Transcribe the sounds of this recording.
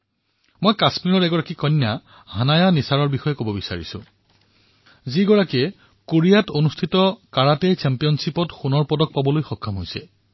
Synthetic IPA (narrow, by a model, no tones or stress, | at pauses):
mojkasmiɹɔɹɛɡɔɹakikɔnːja | hanajanisaɹɔɹbixɔjɛkobɔbisa̰ɹḭsʊ̰̃ | ziɡɔɹakɛ | koɹijatonustʰitɔkaɹatɛjt͡ʃɛmpijɔnsipɔtxunɔɹpɔdɔk̚pabɔlojxɔkʰːamɦojsɛ̰